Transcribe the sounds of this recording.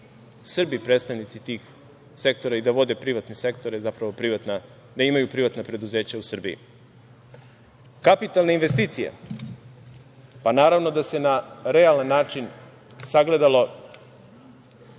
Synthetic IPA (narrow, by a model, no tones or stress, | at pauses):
sr̩bipɾed̪st̪aʋnit̪sit̪iːx | se̞k̚t̪o̞ɾaid̪aʋo̞d̪e̞pɾiʋat̪nise̞kt̪oɾezapɾaʋo̞pɾiʋat̪na | d̪aimajupɾiʋat̪napɾe̞d̪uze̞ːt͡ɕausr̩bḭḭ | kapit̪alnainʋe̞st̪iːt̪sijḛ | panaːɾaʋno̞d̪ase̞naɾealˠanːaːt͡ʃin | saɡle̞d̪alo̞